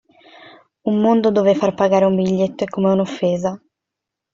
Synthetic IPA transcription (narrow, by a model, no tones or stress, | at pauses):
ummond̪od̪ovefarpaɡaːɾeumbiʎːet̪ːoɛkːomeunofːeːza